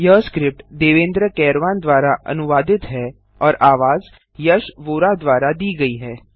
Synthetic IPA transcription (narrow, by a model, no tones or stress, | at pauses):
jɐskɾɪp̚ʈd̪eːʋẽːnd̪ɾəkɛːɾʋaːnd̪ʋaːɾaʔɐ̰nʊʋaːd̪ɪt̪ɦɛ | ɔːɾʔaːʋaːz | jɐʃʋoːɾad̪ʋaːɾad̪iːɡɐiɦɛː